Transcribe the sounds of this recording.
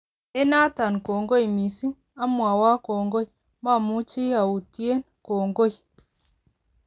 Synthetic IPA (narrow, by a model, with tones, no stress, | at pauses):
ɛ˦na˦ta˨nko˨ŋɡo˦i˨mi˨si˦ | a˦mwa˨wa˦kɔ˨ŋɡo˦i˨ | ma˦˨mu˦t͡ʃi˦a˨u˨ti˦e˦n | ko˨ŋɡo˦i˨